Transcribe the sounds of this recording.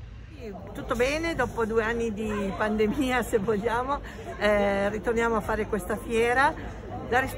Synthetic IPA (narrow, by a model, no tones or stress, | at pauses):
i | t̪ut̪ːobɛːned̪ɔːpod̪uːeanːid̪ipand̪emiːasevoʎːaːmo | ɛrit̪ornjaːmoafːaːɾekwest̪afjɛːɾa | d̪aɾis